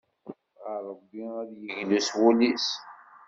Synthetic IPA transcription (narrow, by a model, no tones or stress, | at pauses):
aɾˤəbːiæðjəʝluswulis